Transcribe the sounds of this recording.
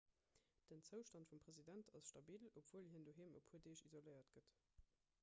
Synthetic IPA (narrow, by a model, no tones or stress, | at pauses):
d̥ənt͡səʊʃtɑntfumpʁ̥ezidæntʰɑsʃtɑbiːlopv̥uːəlɦindoːɦeːmopʰhuədeːʃizoləɪɐtɡ̥ət